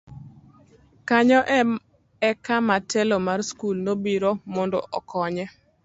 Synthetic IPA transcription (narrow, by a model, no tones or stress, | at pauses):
kaɲɔʔ | ɛkamatɛlɔmarskulnobiɾomɔndɔ̰ʔɔ̰kʰɔɲɛ